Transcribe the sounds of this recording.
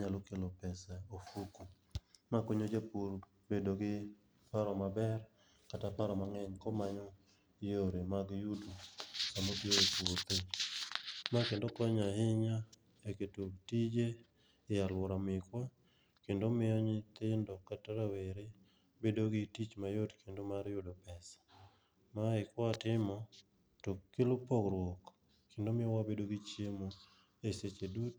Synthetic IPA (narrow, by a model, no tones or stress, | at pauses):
ɲalokelopɛsaofuku | makoɲod͡ʒapuɾ | bedoɡɪ | paɾɔmabɛr | katapaɾɔmaŋɛɲkɔmaɲɔ | joɾemaɡjudukamodjoepuɾt̪eɲ | makendokɔɲaɦɪɲa | eketutid͡ʒe | ɪjalwɔɾamɪkwa | kendomɪɔɲɪt̪ɪndɔkataɾaweɾe | bedoɡɪtit͡ʃmajodkendomaɾjʊdopɛsḁ | maɪkɔatɪmɔ | tokːɪlʊpɔkɾwɔk | kendomɪjɔwabedoɡit͡ʃjemo | eset͡ʃedut